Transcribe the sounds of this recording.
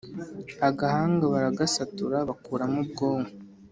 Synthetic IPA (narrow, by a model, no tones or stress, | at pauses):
aɡahaːŋɡaβaɾaɡasatuɾaβakuːɾamubɡo̞ːŋa